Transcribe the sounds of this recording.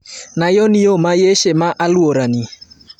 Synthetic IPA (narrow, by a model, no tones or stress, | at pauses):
najɔnɪomajeʃemaʔalwoɾani